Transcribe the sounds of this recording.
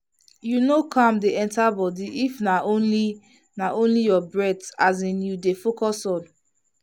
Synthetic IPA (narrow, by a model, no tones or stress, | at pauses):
junokʰãmdeɛ̃ntabɔdiʔifnaʔõnli | naʔõnlijɔbɹɛtazĩnjudefokɔsɔ̃n